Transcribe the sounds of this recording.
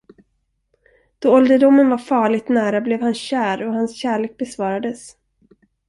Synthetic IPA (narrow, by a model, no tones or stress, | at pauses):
d̪̥ɔːɔld̪əɖʊmːənvaɾfɑːɭɪt̪næːɾablɛvhanɕæːɾɔhansɕæːɭeːk̚bɛsvɑːɾad̪əs